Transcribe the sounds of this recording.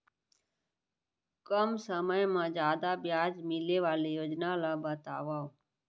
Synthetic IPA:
kəmsəməjmãːd͡ʒjaːd̪abjaːd͡ʒmɪleʋaːlejoːd͡ʒnalabət̪a̰ːʋaːo

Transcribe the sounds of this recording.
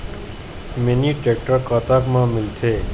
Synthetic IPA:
meniʈek̚ʈəɾkat̪akmãːmɪlt̪ʰeː

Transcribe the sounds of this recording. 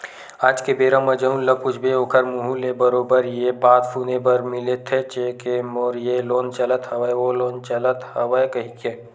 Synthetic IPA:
aːd͡ʒkebeːɾãmɐd͡ʒɐũnlɐpʊt͡ʃʰbʱeoːkʰəɾmuɦulebɐɾoːbəɾjebaːt̪fʰuːnebɐɾmɪlet̪ʰet͡ʃekemoːɾjeloːnt͡ʃɐlət̪hɐʋaʋoloːnt͡ʃɐlət̪hɐʋaekɐɦikeː

